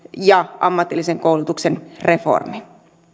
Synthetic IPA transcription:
jɑɑmːɑt̪ːilːiseŋkoulut̪uksenre̞fo̰rmi

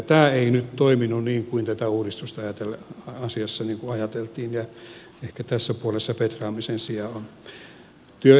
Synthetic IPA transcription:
t̪æːeinyt̪t̪oiminːunniːŋkuint̪æt̪æuːɾist̪ust̪ɑɑjɑt̪elɑsiɑsːɑniːŋkuɑjɑt̪elt̪iːnjɑ | ehkæt̪æsːæpuolesːɑpet̪rɑːmisensiɑon | t̪yø

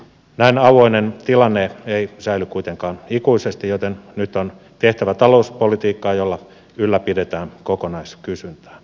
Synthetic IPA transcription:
næinɑʋoinent̪ilɑnːeeisæilykuit̪eŋkɑːnikuisest̪ijot̪ennyt̪ːon | t̪eht̪æʋæt̪ɑlouspolit̪iːkːɑːjolːɑ | ylːæpidet̪æːnkokonɑiskysynt̪æ̥ː

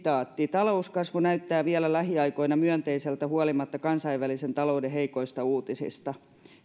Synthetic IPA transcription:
t̪ɑːt̪ːit̪ɑlouskɑsʋonæyt̪ːæːʋiælælæhiɑiko̞inɑmyœnt̪eiselt̪æhuɑlimɑt̪ːɑkɑnsɑiʋʋælisent̪ɑloudeɦeikoist̪ɑuːt̪isḭst̪ɑ

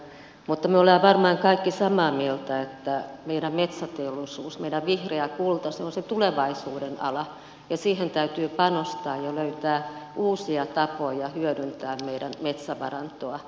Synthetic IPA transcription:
mut̪ːɑmyøoleɑʋɑrmɑiŋkɑikːisɑmɑːmielt̪æet̪ːæmeiɾæmmet̪sæt̪eolusuːsmeiɾæʋʋihreækult̪ɑseonset̪uleʋɑisuːdenɑ̰lɑ | jɑsiːhent̪æyt̪yːpɑnost̪ɑːjjɑløyt̪æːʔuːsiɑt̪ɑpojɑhyøɾynt̪æːmmeiɾænmet̪sæʋɑ̰rɑnt̪oɑ

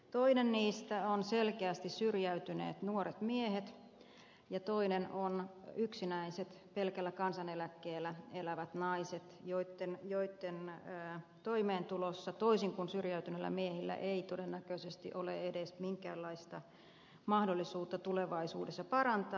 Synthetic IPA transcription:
t̪oinenniːst̪æonselkeæst̪issyrjæyt̪ynḛːt̪nuoɾet̪miehet̪ | jɑt̪oinenonyksinæiset̪pelkælːækɑnsɑnelækːeːlːˑæelæʋæt̪nɑiset̪joit̪ːenjoit̪ːenː | t̪oimeːnt̪ulosːɑt̪oisiŋkunsyrjæyt̪ynelːæ̰miehilːæ̰ʔeit̪odenːækøisest̪ḭʔolḛedesmiŋkæ̰ːlːɑist̪ɑ | mɑhdolːisuːt̪ːɑt̪uleʋɑisuːdesːɑpɑrɑnt̪ɑː

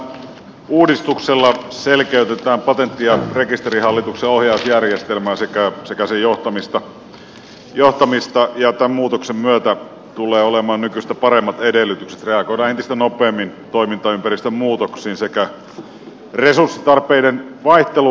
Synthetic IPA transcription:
uːdist̪ukselːɑselkeyt̪et̪æːmpɑt̪ent̪ːiɑrekist̪erihɑlːit̪ukseohjɑˑusjærjest̪elmæːsekæsekæsejoht̪ɑmist̪ɑ | joht̪ɑmist̪ɑjɑt̪æmmuːt̪oksemmyøt̪æ | t̪ulˑeːolemɑːnnykysest̪æpɑremːɑt̪edelːyt̪ykse̥t̪reɑɡoidɑːnent̪ist̪ænopˑeːmːint̪oimint̪ɑympærist̪ømmuːt̪oksiːnsekæ | resursːit̪ɑrpeidenʋɑiht̪elu

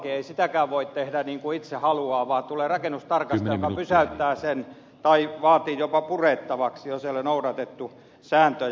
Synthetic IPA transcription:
kieisit̪ækæːʋʋoit̪t̪ehdæniːŋkuit̪sehɑluɑːʋɑːt̪uleːrɑkenust̪ɑrkɑst̪ɑjokɑpysæyt̪ːæːsen | t̪ɑiʋɑːt̪iːjopɑpureːˑt̪ːɑʋɑksijoseolenoudɑt̪et̪ːu | sæːnt̪ø

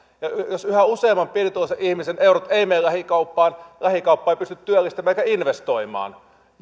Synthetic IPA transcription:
jɑjosyhæuseːmːɑmpirit̪uoseʔihmiseneurot̪eˑimeːllæhikɑupːɑːnlæhikɑupːɑːeipyst̪yt̪t̪yølːˑist̪æmæːekæinʋest̪oimˑɑ̰ːn

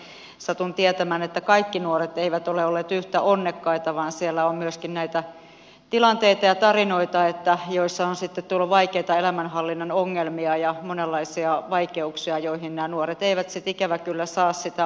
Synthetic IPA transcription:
sɑt̪unt̪iet̪æmæːnet̪ːækɑikːinuoret̪eiʋæt̪oleolːeːt̪yht̪æʔonːekːɑit̪ɑʋɑːnsielːæommyøskinnæit̪æ | t̪ilɑnt̪eit̪ɑjɑt̪ɑrinoit̪ɑet̪ːæjoisːɑonsit̪ːet̪t̪uolːuʋɑikeit̪ɑelæmænhɑlːinːɑnoŋːelmiɑjɑmonelːɑisiɑʋɑikeuksiɑjoihinnæːnuoret̪eiʋæt̪sit̪ikæʋækylːæsɑːssit̪æ

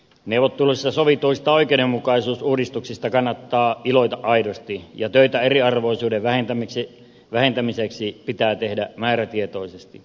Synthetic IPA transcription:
neuʋot̪ːuluisːɑsoʋit̪uist̪ɑoikeiɾemːukɑisuːsuːdist̪uksist̪ɑkɑnːɑt̪ːɑːiloit̪ɑʔɑidost̪ijɑt̪øit̪æeriɑrʋoisuːdeʋʋæhent̪æmiksi | ʋæhent̪æmiseksipit̪æːt̪ehdæmæːɾæt̪iet̪oisest̪ḭ

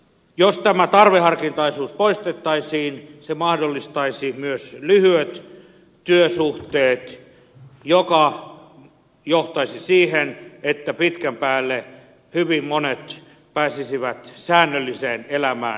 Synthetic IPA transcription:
jost̪æmæt̪ɑrʋehɑrkint̪ɑisuːspoist̪et̪ːɑisiːnsemɑhdolːist̪ɑisimyøslyhyøt̪ | t̪yøsuht̪eːt̪ | jokɑ | joht̪ɑisisiːhenet̪ːæpit̪kæmpæːlːe | hyʋimmonet̪ | pæːsisiʋæt̪sæːnːølːiseːnelæmæ̰ː

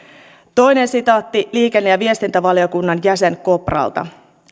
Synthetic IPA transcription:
t̪o̞jne̞nsit̪ɑt̪ːiliːke̞nːejɑʋie̞st̪int̪æʋɑljo̞kunːɑnjæse̞ŋko̞prɑ̰lt̪ɑ̰

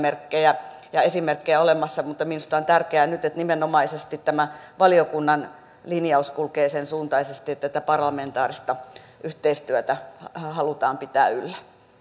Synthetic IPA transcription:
merkːejæjɑesimerkːejæolemɑsːɑmut̪ːɑminust̪ɑont̪ærkeænyt̪et̪nimenːomɑisest̪it̪tæmæʋɑlijokunːɑn | linijɑuskulkeːsensuːnt̪ɑisest̪iet̪ːæt̪æpɑrlɑment̪ɑːrist̪ɑ | ʔyht̪eist̪yæt̪æhɑlut̪ɑːmpit̪æ̰ːylːæ

